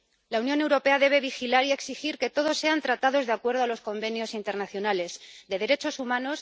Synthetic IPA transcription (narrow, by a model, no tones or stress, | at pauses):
launjo̞ne̞wɾo̞pe̞aðe̞β̞e̞βixilaɾie̞ksixiɾke̞t̪o̞ð̞osːe̞ant̪ɾat̪aðo̞zðakwe̞ɾð̞o̞alo̞sko̞mbe̞njo̞sint̪e̞ɾnaθjo̞nale̞sd̪e̞ðe̞ɾe̞t͡ʃo̞sumãno̞s